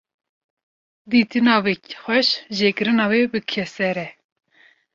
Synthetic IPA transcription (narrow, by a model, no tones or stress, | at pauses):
d̪iːt̪ɨnɑːwexʷɛʃʒeːkɨɾɨnɑːweːbɨkʰɛsɛɾɛ